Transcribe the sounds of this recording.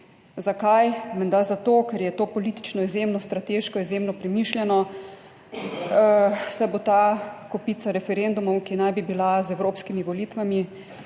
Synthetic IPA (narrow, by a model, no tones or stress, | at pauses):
zakajmɛnd̪azat̪oːkɛɾjɛt̪oːpɔliːt̪i̥t͡ʃnɔizjemnɔst̪ɾat̪eːʃkɔizjeːmnɔpɾɛmiːʃljɛnɔ | sɛbot̪akɔpiːt̪saɾɛfɛɾend̪umɔwkinajbibilazɛwɾoːpskimiʋɔliːt̪ʋami